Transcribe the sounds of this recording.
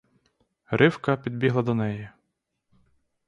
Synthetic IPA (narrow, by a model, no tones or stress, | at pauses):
ɾɪwkɐpʲid̪̚bʲiɦlˠɐd̪ɔnɛjɛ